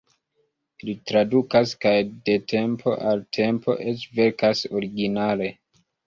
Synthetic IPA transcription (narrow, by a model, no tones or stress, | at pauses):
litɾadukaskajde̞tʰe̞mpʰo̞̰ʔaltʰe̞mpʰo̞̰ʔe̞t͡ʃve̞ɾkaso̞ɾiɡinale̞